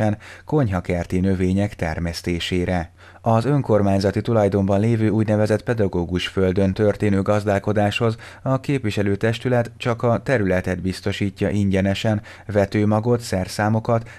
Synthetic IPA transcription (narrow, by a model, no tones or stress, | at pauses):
ɛnko̞ɲɦɒkɛrt̪inø̞veːɲɛkt̪ɛ̰rmɛst̪eːʃeːɾɛ | ɒzø̞ŋko̞rmaːɲzɒt̪it̪ulɒjd̪o̞mbɒnleːvøːuːɟnɛvɛzɛt̪pɛd̪ɒɡoːɡuʃfø̞ld̪ø̞nt̪ø̞rt̪eːnøːɡɒzd̪aːlko̞d̪aːʃho̞z | ɒkeːpʋiʃɛløːt̪ɛʃt̪ylɛt̪t͡ʃɒkɒt̪ɛɾylɛt̪ɛd̪bist̪o̞ʃiːcːɒʔiɲɟɛnɛʃɛn | vɛt̪øːmɒɡo̞t̪sɛrsaːmo̞kɒt̪